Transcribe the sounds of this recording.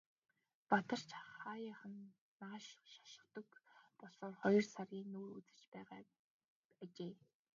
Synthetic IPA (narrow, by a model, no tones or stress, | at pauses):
pat̪ə̆r̥t͡ɕʰχaːjaːχə̆nː | aːʃʃḁʃɪ̆t̪ɞ̆kpɔɮɔːrχɔjɞ̆rsarɣʲiːŋnuːrut͡sɘ̆t͡ɕpæːʁaː | æt͡ɕeː